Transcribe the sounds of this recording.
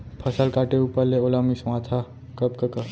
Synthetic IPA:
pʰɐsəlkaːʈeuːpəɾleolamismãːt̪ʰa | kəp̚kɐkə

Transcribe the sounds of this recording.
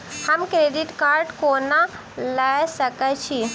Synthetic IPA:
həmkɾeɖiʈkaɾɖkona | lasəkət͡ʃʰi

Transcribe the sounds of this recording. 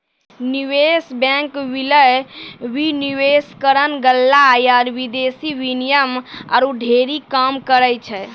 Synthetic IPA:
niwesbɛ̃ŋkʋiləjwiniweskəɾənɡəlːaːjaɾʋid̪esiʋinijəma̰ɾuɖʱeɾikamkəɾəjt͡ʃʰɛ

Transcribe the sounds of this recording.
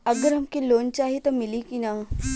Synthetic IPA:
ɐɡəɾɦɐmkiloːnt͡ʃaːɦit̪omɪlikina

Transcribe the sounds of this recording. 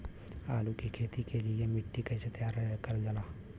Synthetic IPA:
aːlukikʰeːt̪ikelɪemɪʈːikɐɪset̪jaːɾkɐɾd͡ʒəlaː

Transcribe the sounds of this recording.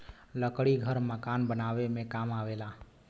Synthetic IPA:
ləkɽiɡʱəɾməkaːnbənaʋemẽkamaʋelaː

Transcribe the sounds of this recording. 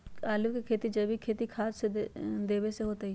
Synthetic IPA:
aːluʋkekʰeːt̪id͡ʒɐbʱikʰeːt̪ikʰaːd͡ʒsed̪eːʋeseɦoːt̪ai

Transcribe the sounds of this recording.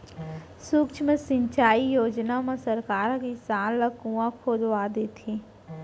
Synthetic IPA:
sukt͡ʃʰmẽsɪ̃ɲt͡ʃaːijoːd͡ʒnamẽsɐɾkaːɾkisaːnləkuːãkʰoːd̪ʋaːd̪et̪ʰi

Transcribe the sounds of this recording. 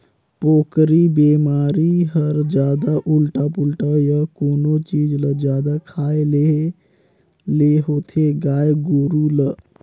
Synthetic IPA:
poːkɾibeːmaːɾiɦəɾd͡ʒjaːd̪aʔʊlʈapulʈajəkoːnot͡ʃiːd͡ʒləd͡ʒjaːd̪akʰaːele | leɦoːt̪ʰeɡaːjɡoːɾulə

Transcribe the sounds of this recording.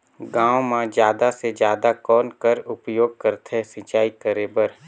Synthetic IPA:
ɡãːwmãd͡ʒjaːd̪ased͡ʒjaːd̪akɔːnkəɾʊpjoːɡ̚kəɾt̪ʰesĩt͡ʃaːikəɾeːbəɾ

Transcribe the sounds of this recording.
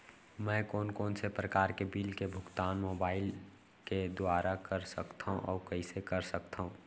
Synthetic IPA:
mɛ̃ːkɔːnkɔːnsepɾəkaːɾkebiːlkebʱʊɡt̪aːnmoːbaːɪl | ked̪ʊaːɾakɐɾsəkt̪ʰaɦũʔɔ̰ːɾkɐisekɐɾsɐkt̪aːɦũː

